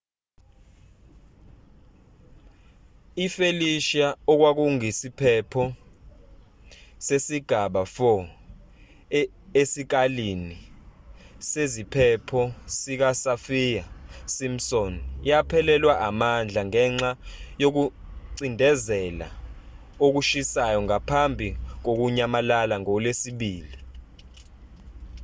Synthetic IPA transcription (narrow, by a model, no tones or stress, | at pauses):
ifeliʃaɔk̬wak̬uŋisipʰɛpʰɔ | sesiɡ̥ʱaɓafɔ | esik̬alini | sezipʰɛpʰɔsik̬asafijasim̩sɔnjapʰɛlɛlwaʔamand͡ɮʱaŋɛŋ͡ǁajok̬u | ǀindʱɛzɛla̰ | ok̬uʃisajɔŋapʰambʱik̬ok̬uɲamalalaŋɔlesiɓiːli